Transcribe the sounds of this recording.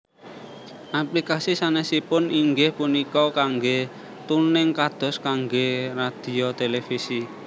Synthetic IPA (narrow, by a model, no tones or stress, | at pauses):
ʔaplikasisanɛsipʊniŋɡɪhpunikɔkaŋɡe | t̪unɪŋkad̪̥ɔ̤skaŋɡerad̪̥i̤ot̪elefisi